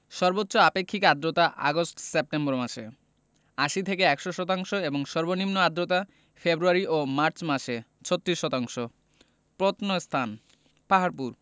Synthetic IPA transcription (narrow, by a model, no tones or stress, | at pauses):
ʃɔɾbotːɕoapekʰːikad̪ɾot̪aʔa̰ɡosʈsep̚ʈemboɾmaʃe | aʃit̪ʰekeɛkʃoʃɔt̪aŋʃoeboŋʃɔɾbonimnoad̪ːɾot̪a | febɾuaɾiʔomaɾt͡ɕmaʃe | t͡ɕʰot̪ːɾiʃːɔt̪aŋʃo | pɾot̪nost̪ʰan | paɦaɾpuɾ